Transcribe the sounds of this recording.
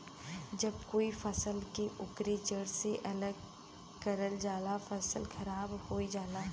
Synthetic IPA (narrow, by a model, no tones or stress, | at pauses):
d͡ʒɐb̚koːifɐsəlkeʔʊkɾit͡ʃəɽseʔɐləɡ | kɐɾəld͡ʒaːlafɐsəlxɐɾaːbhoːid͡ʒaːlaː